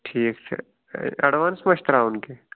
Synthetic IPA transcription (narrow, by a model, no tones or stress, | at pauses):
ʈʰiːksʰḛ | ɐɽʋaːnsməʃt̪ɾaʊnke